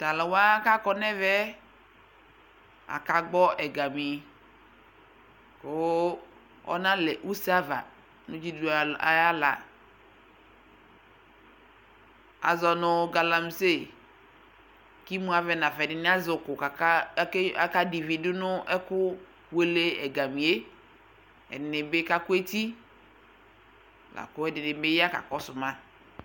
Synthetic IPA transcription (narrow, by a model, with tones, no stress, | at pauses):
ta˨lɪ˨wa˦ka˦kɔ˦nɛ˦vɛ˦ | a̰˨ka˨ɡ͡bɔ˦ʔɛ˨ɡa˨mɪ˨ | kʊ˦ | ɔ̰˦nã˦lɛ˨ʔu˦sa˦va̰˨ | nʊ̃˦d͡ʒi˦du˨˦˨a˨ja˦la̰˨ | a̰˨zɔ˨nʊ˦ɡa˨la˨m˦se˦ | ki˦mũ˦a˨vɛ˨nã˨fɛ˨nɪ˨nɪ˦a˦zʊ˨kʊ˨ka˨ka˦a˦ka˦di˨vi˨dʊ˦nʊ˦ɛ˦kʊ˦ | we˦le˦ɛ˨ɡa˨mi˨e˦ | ɛ̰˨nɪ˨nɪ˨bɪ˦ka˦kʊ˦e˦ti˦˨ | la̰˨kʊ˦ɛ˦dɪ˨nɪ˨˦bɪ˦ja˦ka̰˨kɔ˦sʊ˨ma˦